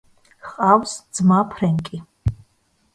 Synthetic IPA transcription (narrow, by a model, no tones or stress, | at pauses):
χʼawsd̪z̥mapʰɾɛŋkʼi